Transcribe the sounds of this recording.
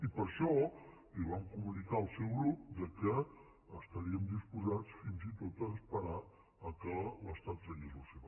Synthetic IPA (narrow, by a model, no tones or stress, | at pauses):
ipəɾʃɔ | iβamkumunikaəlˠsɛwɣɾup̚d̪əkəː | st̪əɾiəmd̪ispuzat͡sfinzit̪ot̪əːspəɾa | əkələst̪at̪səʎezoseβa